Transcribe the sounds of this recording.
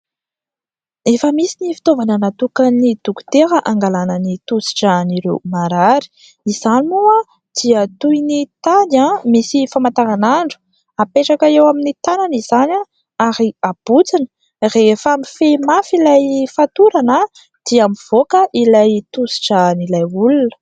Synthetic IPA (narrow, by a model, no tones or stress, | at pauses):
efəmisinifi̥t̪ovanənat̪ukənid̪̥uku̥t̪eɾəʔaŋɡalanənit̪usi̥ʈ͡ʂəniɾewmaɾaɾi̥ | izanimua | d̪̥iət̪ujnit̪anamisifamant̪aɾanaɳɖ͡ʐu̥ | apeʈ͡ʂakəewaminit̪ananizana | aɾiab̥ut͡sinə̥ | refamifemafilajfat̪uɾanə | d̪̥iamiv̥okəʔilajt̪usi̥ʈ͡ʂanilajulunə̥